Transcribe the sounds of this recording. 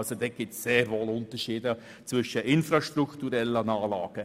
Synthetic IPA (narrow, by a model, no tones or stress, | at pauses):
lsod̥̪eːɡ̥ɪp̚tsseːɾʋoːlʊnt̪əʃiːdə | t͡sʋvʏʃəʔɪnfɾɑʃtɾukt̪uɾɛlːənɑːlɑ̰ːɡ̥ə